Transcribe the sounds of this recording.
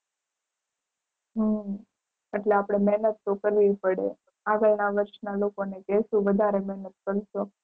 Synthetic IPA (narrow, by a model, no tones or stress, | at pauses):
ɦə | eʈleapɽ̃emɛɦnət̪ːokəɾʋipəɽḛ | aɡəlnaʋəɾʃnalokonekɛʃũʋəd̪ʱaɾemɛɦnət̪̚kəɾʃo